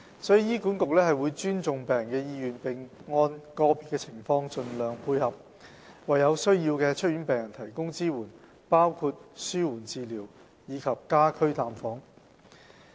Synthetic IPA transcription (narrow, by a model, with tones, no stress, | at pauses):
sɔː˨˥jiː˨˩jiː˥ku˨˥nkʊ˨k̚lɛː˥ɦɐ˨jwuː˨˧jt͡ʃyː˥nt͡sʊ˨ŋpɛː˨ŋkɛː˧jiː˧jyː˨npɪ˨ŋŋɔː˧nkɔː˧piː˨t̚kɛː˧t͡sʰɪ˨˩ŋfɔː˧ŋt͡ʃɵ˧nlœː˨ŋpʰuː˧jhɐ˨p̚ | wɐ˨jɐ˨˧wsɵ˥ɥjiː˧wkɛː˧t͡ʃʰɵ˥t̚ɥyː˨˥npɛː˨˩ŋjɐ˨˩nt̪ʰɐ˨˩jkʊ˥ŋt͡siː˥wuː˨˩n | paː˥wkʰuː˧t̚syː˥wuː˨˩nt͡siː˨liː˨˩w | jiː˨˧kʰɐ˨p̚kaː˥kʰɵ˥ɥt̪aː˨mfɔː˨˥ŋ